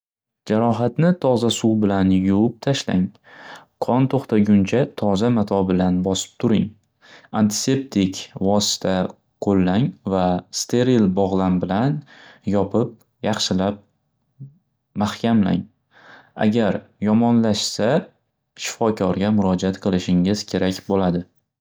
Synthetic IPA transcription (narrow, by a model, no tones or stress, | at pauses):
d͡ʒaɾɒɦat̪nɪt̪ʰɒzasuwbɪlanjʊp̚t̪ʰaʃla̰ŋ | qʰɒnt̪ʰoχt̪ʰaɡʲʊnt͡ʃʰat̪ʰɒzamat̪ʰɒbɪlanbɒsɪ̥p̚t̪ʰʊɾɪŋ | ant̪ʰɪ̥se̞p̚t̪ʰɪkʲvɒsɪ̥t̪ʰa | qʰolːaŋvast̪ʰe̞ɾilbɒʁlˠambɪlanjɒpʰɪp̚ | jɑχʃɪlap̚ | mahkʲamla̰ŋ | a̰ɡʲaɾjɒmɒnlaʃsa | ʃɪ̥fɒkʲʰɒɾɡʲamʊɾɒd͡ʒaat̪qʰɨlˠɪʃɪŋɪz̥kʲʰe̞ɾakʲbolad̪ɪ